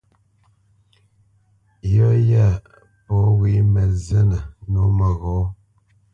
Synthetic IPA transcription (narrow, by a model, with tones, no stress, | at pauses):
jɔ˦ja˦˨ | pɔ˨˦wi˦mə˨zə˦nə˨no˨˦mə˨ɣɔ˨˦